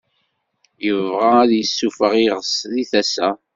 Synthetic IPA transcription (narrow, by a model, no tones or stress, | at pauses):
jəvʁaæðjəsːufəʁiʁəsðiθæsæ